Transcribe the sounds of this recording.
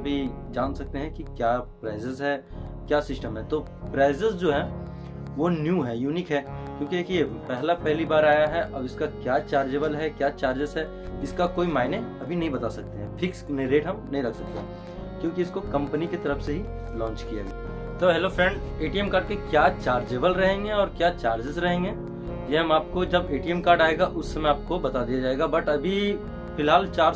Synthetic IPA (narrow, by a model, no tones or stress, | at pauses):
bʱi | d͡ʒaːnsɐk̚t̪eɦɛ̃kikjaːpɾaːɪzəzɦɛ | kjaːsɪsʈəmɦɛt̪oː | pɾaːɪzəsd͡ʒoːɦɛ̃ | ʋonjuːɦɛjuːnikɦɛːkjõːkiekʰiepɛɦlapɛɦlibaːɾaːjaɦɛʔɔːbɪskakjaːt͡ʃaːɾd͡ʒebəlɦɛkjaːt͡ʃaːɾd͡ʒəzɦɛ | ɪskakoːimaːɪnẽɐbʱinɐɦĩbɐt̪asɐk̚t̪eɦɛ̃pʰɪksneɾeːʈɦɐmnɐɦĩɾɐkʰsɐk̚t̪ḛɦɛ̃ | kjõːkiɪskokɐ̃mpəniket̪ɐɾəfseɦi | lɔ̃ːt͡ʃkija̰d͡ʒa̰ː | t̪oɦeloːfʰɾɛ̃ɳɖeːʈiɛmkaːɾɖ̚kekjaːt͡ʃaːɾd͡ʒeːʋəlɾɐɦẽːŋɡeɔːɾkjaːt͡ʃaːɾd͡ʒɪzɾɐɦẽːŋɡeː | jeɦɐmaːp̚kod͡ʒɐbeːʈiɛmkaːɾɖaːeɡaʔʊsːemẽaːp̚kobɐt̪ad̪ijad͡ʒaːeːɡabɐʈɐbʱi | fɪlɦaːlt͡ʃaːɾ